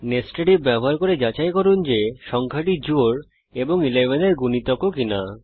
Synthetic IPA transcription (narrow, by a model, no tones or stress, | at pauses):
nesʈeɖibɛboɦaɾkoɾed͡ʑat͡ɕajkɔɾund͡ʑeʃɔŋkʰaʈid͡ʑoɾ | eboŋilebʱeneɾɡunit̪ɔkːokina